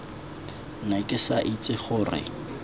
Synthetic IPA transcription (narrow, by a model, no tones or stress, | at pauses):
nakʼɪsaʔit͡sʼɪχʊːrɪ̰